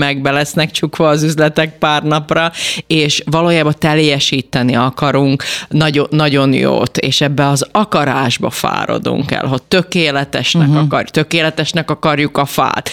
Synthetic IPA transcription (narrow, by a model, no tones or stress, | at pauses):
mɛɡ̚bɛlɛsnɛkt͡ʃukʋɒːzyzlɛt̪ɛk̚paːrnɒprɒeːʃʋɒloːjaːbɒt̪ɛljɛʃiːt̪ɛniɒkɒɾuŋknɒɟonːɒɟo̞njo̰ːt̪ḛːʃɛbːɛɒzɒkɒɾaːʒbɒ̰fa̰ːɾo̞̰d̪ṵŋkɛ̰lɦo̞c̚t̪økeːlɛt̪ɛʃnɛkɒkɒ̰rt̪ø̞keːlɛt̪ɛʃnɛkɒkɒrjukɒfa̰ːt̪